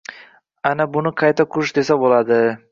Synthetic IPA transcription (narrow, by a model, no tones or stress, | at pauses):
anabʊnɪqʰɑjt̪ʰakʰʊʊʃd̪e̞sabolad̪ɪ